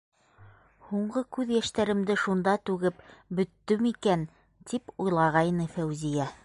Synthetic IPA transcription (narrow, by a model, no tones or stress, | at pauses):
huɴɢɤkʉðjæʃt̪æɾɘ̆md̪ɘʃund̪ɑt̪ʉɡɘpbɵ̆t̪ːɵmikæn | t̪ʰipujlˠɑʁɑjnɤfæwzijæ